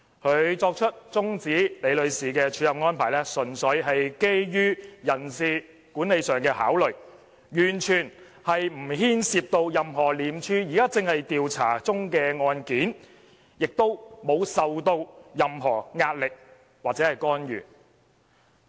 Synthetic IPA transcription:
kʰɵ˨˧ɥt͡sɔː˧k̚t͡ʃʰɵ˥t̚t͡sʊ˥ŋt͡siː˨˥le˨˧jlɵ˨˧ɥsiː˨kɛː˧t͡ʃʰyː˨˥jɐ˨wŋɔː˥npʰaː˨˩jlɛː˥sɵ˨˩nsɵ˨˧ɥɦɐ˨jke˥jjyː˥jɐ˨˩nsiː˨ | kuː˨˥ne˨˧jsœː˨ŋkɛː˧ha̰ː˨˥wlɵ˨˩ɥ | jyː˨˩nt͡ʃʰyː˨˩n | hɐ˨jm̩˨˩ɦiː˥nsiː˧p̚t̪o˧wjɐ˨mɦɔː˨˩liː˨˧mt͡ʃʰyː˥jiː˨˩kaː˥t͡sɪ˨ŋhɐ˨jt̪iː˨wt͡sʰa̰ː˨˩t͡sʊ˥ŋkɛː˧ŋɔː˧nkiː˨˥n | jɪ˨k̚t̪o˥wmo˨˧wsɐ˨wt̪o˧wjɐ˨mɦɔː˨˩ŋaː˧t̚lɪ˨k̚ | waː˨k̚t͡sɛ˨˦˥ɐ˨˩jkɔː˥njy̰ː˨˩n

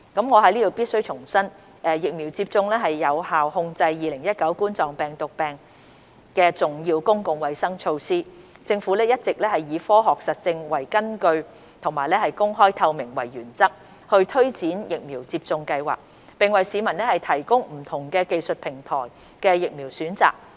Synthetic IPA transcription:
kɐ˨˥mŋɔː˨˧ɦɐ˨˥jliː˥t̪o˨wpi˥t̚sɵ˥ɥt͡ʃʰʊ˨˩ŋsɐ˥n | ʔɛː˨jɪ˨k̚miː˨˩wt͡siː˧p̚t͡sʊ˧ŋlɛː˥ɦɐ˨jːɐ˨˧whaː˨whʊ˧ŋt͡sɐ˧jːiː˨lɪ˨˩ŋjɐ˥t̚kɐ˨˥wkuː˥nt͡sɔː˨ŋpɛː˨ŋt̪ʊ˨k̚pɛː˨ŋ | kɛː˧t͡sʊ˨ŋjiː˧wkʊ˥ŋkʊ˨˧ŋwɐ˨jsɐ˥ŋt͡ʃʰo˧wsiː˥ | t͡sɪ˧ŋfu˨˥lɛː˥jɐ˥t̚t͡sɪ˨k̚lɛː˥hɐ˨jːiː˨˧fɔː˥ɦɔː˨k̚sɐ˨t̚t͡sɪ˧ŋwɐ˨˩jkɐ˥nkɵ˧ɥ | t̪ʰʊ˨˩ŋmaː˨˩jlɛː˥hɐ˨jkʊ˥ŋɦɔː˥jt̪ʰɐ˧wmɪ˨˩ŋwɐ̰˨˩jːyː˨˩nt͡sɐ˥k̚ | hɵ˧ɥt̪ʰɵ˥ɥt͡siː˨˥njɪ˨k̚miː˨˩wt͡siː˧p̚t͡sʊ˧ŋkɐ˧jwa̰ː˨k̚ | pɪ˨ŋwɐ˨jsiː˨˧mɐ˨˩nlɛ˥hɐ˨˩jt̪ʰɐ˨˩jkʊ˥ŋm̩˨˩t̪ʰʊ˨˩ŋkɛː˧ke˨˧jsɵ˨t̚pʰɪ˨˩ŋt̪ʰɔ̰ː˨˩j | kɛː˧jɪ˨k̚miː˨˩wsyː˨˥nt͡sa̰ː˨k̚

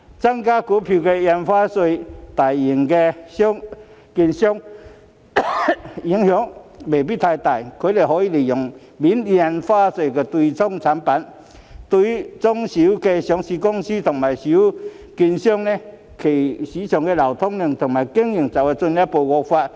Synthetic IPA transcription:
t͡sa˦ŋka˦ku˨˦pʰi˧˩ke˧ja˧nfa˦swe˧˩t̪a˨˩ji˨˩ŋke˧ɕjɔ˦˥ŋki˧nɕjɔ˦˥ŋ | i˧˦ŋhjɔ˨˦ŋbe˨˩pi˦˥˨t̪ʰa˧jt̪a˨˩jkʰe˨˦le˨˩ɦɔ˧˦i˦˨li˨˩jɔ˨˩ŋ | bi˨˦nja˧nfaː˦se˧˨ke˧t̪wi˧t͡sɔ˦ŋt͡sʰa˨˧˦npa˨˦n | t̪wi˧t͡sɔ˦ŋɕi˨˧˦ke˧ɕjɔ˧˥˦ŋɕi˧kɔ˦ŋɕi˦t̪ʰʊ˨˩ŋma˨˩jɕi˨˦ | ki˧nɕjɔ˦˩ŋnẽ˧ | kʰe˨˩ɕi˨˦t͡ɕʰjɔ˨˧˩ŋke˧la˨˩wt̪ʰɔ˦ŋni˧˩ŋt̪ʰʊ˨˩ŋma˨˩jki˦ŋi˨˩ŋt͡sa˨˩we˧t͡su˧nlja˦po˧ɡɔ˧fa˧t̚

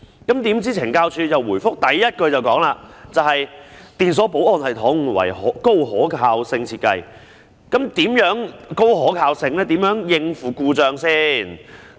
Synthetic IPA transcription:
kɐ˨˥mt̪iː˨˥mt͡siː˥t͡sʰɪ˨˩ŋkaː˧wt͡ʃʰyː˧jɐ˨wːuː˨˩jfʊ˥k̚t̪ɐ˨jːɐ˥t̚kɵ˧ɥt͡sɐ˨wkɔː˨˥ŋlaː˧t͡sɐ˨whɐ˨jt̪iː˨ns̬ɔː˨˥po˨˥wʔɔː˨˧nhɐ˨jt̪ʰɔː˨˥ŋ˨˩wɐ̰˨˩jhɔ̰ː˨˥ko˥wɦɔː˨˥kʰaː˧wsɪ˧ŋt͡sʰiː˧t̚kɐ˧j | kɐ˨˥mt̪iː˨˥mjœː˨˥ŋko˥wɦɔː˨˥kʰaː˧wsɪ˧ŋlɛː˥t̪i˨˥mjœː˨˥ŋjɪ˧ŋfuː˨˩kuː˧t͡ʃœː˨˧ŋsiː˥n

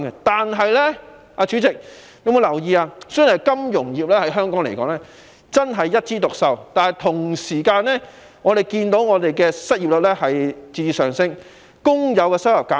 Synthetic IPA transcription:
ɡɛ˧t̪aː˨nɦɐ˨jlɛː˥ | aː˧t͡ʃyː˨˥t͡sɪ˨k̚ne˨˧mu˨˧jlɐ˨˩wjiː˧aː˧sœː˥nɐ˨˩jkɐ˥mjʊ˨˩ŋjiː˨p̚lɛː˥hɐ˨˥jɦœː˥ŋkɔː˥ŋle˨˩jkɔː˨˥ŋlɛː˥ | t͡sɐ˥nɦɐ˨jːɐ˥t̚t͡siː˥t̪ʊ˨k̚sɐ˨wt̪aː˨nɦɐ˨˩jt̪ʰʊ˨˩ŋsiː˨˩kaː˧nɛ˥ | ŋɔː˨˧ɾe˨jkiː˧nt̪o˨˥wŋɔː˨˧t̪e˨jkɛ˧sɐ˥t̚jiː˨p̚lɵ˨t̚lɛ˥hɐ˨jt͡siː˧t͡siː˨˧sœː˨˩ŋsɪ˥ŋ | kʊ˥ŋjɐ˨˧wkɛː˧sɐ˥wjɐ˨p̚kaː˨˦˥

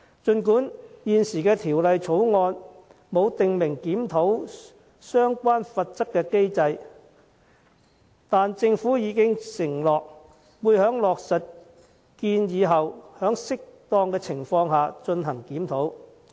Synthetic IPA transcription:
t͡ʃɵ˧nkuː˨˥njiː˨nsiː˨˩kɛː˧t̪ʰiː˨˩wlɐ˨jt͡sʰo˨˥wŋɔː˧n | mo˨˧wt̪ɪ˨ŋmɪ˨˩ŋkiː˨˥mt̪ʰo˨˥w | sœː˥ŋkʷaː˥nfɐ˧t̚t͡sɐ˥kːɛː˧ke˥jt͡sɐ˧j | t̪aː˨nt͡sɪ˧ŋfuː˨˥jiː˨˧˥kɪ˥ŋsɪ˨˩ŋlɔː˨k̚ | wuː˨˧jhœː˨˥ŋlɔː˨k̚sɐ˨t̚ | kiː˧njiː˨˧ɦɐ˨whœː˨˥ŋsɪ˥k̚t̪ɔː˧ŋkɛː˧t͡sʰɪ˨˩ŋfɔː˧ŋɦaː˨t͡ʃɵ˧nɦɐ˨˩ŋkiː˨˥mt̪ʰo˨˥w

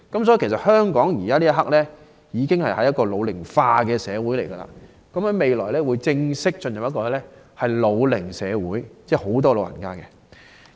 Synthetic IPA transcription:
kɐ˨˥msɔː˨˥ji˨˧kʰsɐ˨˩t̚hœː˥ŋkɔː˨˥ŋjiː˨˩kaː˥liː˥jɐ˥ɦɐ˥k̚lɛː˥ | jiː˨˧kɪ˥ŋhɐ˨jhɐ˨˥jɐ˥t̚kɔː˧lo˨˧wlɪ˨˩ŋfaː˧kɛː˧sɛː˨˧wuː˨˥jle˨˩jɡɐ˧la̰ː˧˩ | kɐ˨˦mhɐ˨˥me˨jlɔː˨˩jlɛː˥wu˨˧jt͡sɪ˧ŋsɪ˥k̚t͡ʃɵ˧njɐ˨p̚jɐ˥kɔː˧lɛ˥ | hɐ˨jlo˨˧wlɪ˨˩ŋsɛː˨˧wuː˨˥jt͡sɛː˥ho˨˥wt̪ɔː˥lo˨˧wjɐ̰˨˩nkaː˥kɛ˧

